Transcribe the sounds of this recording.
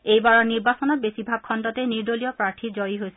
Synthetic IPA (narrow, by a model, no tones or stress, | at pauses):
ejbaɹɔɹniɹbasɔnɔt̚besibʱaɡ̚kʰːɔndɔtɛniɹdolijɔpɹaɹtʰizɔjiɦojsɛ